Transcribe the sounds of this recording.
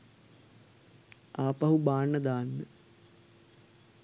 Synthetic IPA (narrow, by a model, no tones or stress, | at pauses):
aːpɐɦubaːɳːəd̪aːnːə